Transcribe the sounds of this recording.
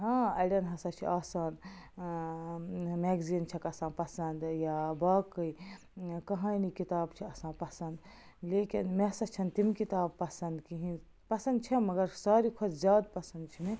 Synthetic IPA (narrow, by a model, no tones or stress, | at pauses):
ɦãːɐjɖɐnɦɐsɐt͡ʃʰḭʔaːsaːn | meːɡzint͡ʃʰɐkɐsãːnpɐsɐnd̪jabaːkːəj | kɐɦainikit̪aːbt͡ʃʰiɐsãːnpɐsɐnd̪ | leːkinmesɐt͡ʃʰɐnt̪imkit̪aːb̚pːɐsɐnd̪kiɦĩ | pɐsɐnd̪̚t͡ʃʰemɐɡɐɾsaːɾikʰoszjaːd̪pɐsɐnd̪t͡ʃʰime